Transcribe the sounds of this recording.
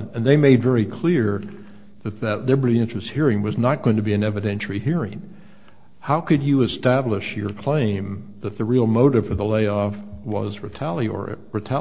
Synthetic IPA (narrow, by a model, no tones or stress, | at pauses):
ɨ̃nðeɪmeɪdvɛɹikʰl̥ɪɹ | ðɨt̪̚ðɨtˡlɪbə˞ɾiɪ̃nt͡ʃɹ̥ɨst̚hiɹɪ̃ŋwʌznət̚ɡ̥oʊɪ̃ŋtʰɨbiɨ̃nɛvɨɾɛ̃nʃl̩ˠiɦiɹɪ̃ŋ | haʊkɨd͡ʒɨɨstæblɪʃjə˞kʰl̥ẽɪ̃mðɨt̪̚ðɨɹilˠmoʊɾɨv̥fə˞ðəleɪɔfwʌ̰zɹɨtʰælˠiə̰˞ɹɨtʰæ